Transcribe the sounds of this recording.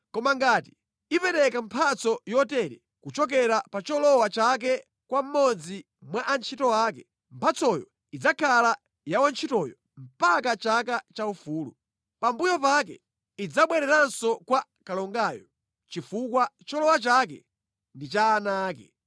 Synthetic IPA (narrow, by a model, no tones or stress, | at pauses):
kɔmaŋɡaːti̥ | ipɛɾɛkampʰat͡sɔjɔtɛɾɛ̰ | kut͡ʃɔk̬ɛɾapat͡ʃɔlɔwat͡ʃak̬ɛ | kwam̩mɔd͡zi | mwaʔant͡ʃʰitɔaːkɛ | m̩pʰat͡sɔjɔ̰ | id͡zakʰala | jawant͡ʃʰitɔjɔ | m̩pakat͡ʃakat͡ʃaufuːlṵ | pambujɔpak̬ɛ̰ | id͡zaɓwɛɾɛɾansɔkwa | kalɔŋɡaːjɔ̰ | t͡ʃifukwat͡ʃɔlɔwat͡ʃak̬ɛ̰ | ndit͡ʃaːnaːkɛ̰